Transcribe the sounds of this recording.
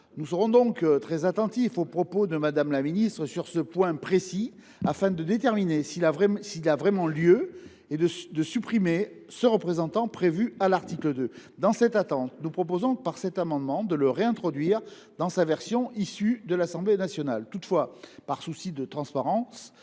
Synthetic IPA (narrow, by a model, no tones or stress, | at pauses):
nusəʁɔ̃d̪ɔ̃kt̪χɛzat̪ɑ̃t̪ifopχɔpod̪əmad̪amlaminist̪χəsyʁsəpwɛ̃pχesi | afɛ̃d̪əd̪et̪ɛʁminesilavʁɛsiːlavʁɛmɑ̃ljø | ed̪əd̪əsypχime | səʁəpχezɑ̃t̪ɑ̃pχevyalaʁt̪ikləd̪ø | d̪ɑ̃sɛt̪at̪ɑ̃t̪nupχɔp̬ozɔ̃paʁsɛt̪amɑ̃d̪mɑ̃d̪ələʁeɛ̃t̪χɔd̪ɥiʁ | d̪ɑ̃savɛʁsjɔ̃ʔisyd̪əlasɑ̃blenasjɔnalt̪ut̪fwapaʁsusid̪ət̪χɑ̃spaʁɑ̃s